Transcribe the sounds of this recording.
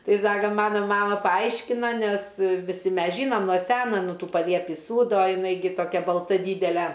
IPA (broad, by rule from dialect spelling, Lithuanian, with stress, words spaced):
ˈtɐɪ ˈsɑːkɐ ˈmɑːnoː ˈmɑːmɐ pɐˈɐɪʃʲkʲɪnɐ ˈnʲɛs ʋʲɪˈsʲɪ ˈmʲɛs ˈʒʲiːnoːm nuɔ ˈsʲæːnoː ˈnʊ ˈtuː pɐˈlʲiɛpʲiː ˈsuːdoː jɪˈnɐɪ ɡʲɪ toːˈkʲɛ bɐlˠˈtɐ ˈdʲiːdʲɛlʲɛ